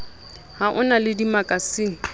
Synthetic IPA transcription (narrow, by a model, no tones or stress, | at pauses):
haʔʊnalɪdimakʼasɪːŋ̩